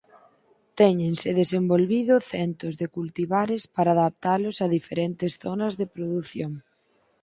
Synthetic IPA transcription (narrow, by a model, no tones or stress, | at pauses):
t̪ɛɲẽŋsɪðesembolβiðʊθɛnt̪ʊzðekult̪iβaɾɪspaɾaːðap̚t̪alʊsaðifeɾɛnt̪ɪsθɔnɐzðepɾoðuθjoŋ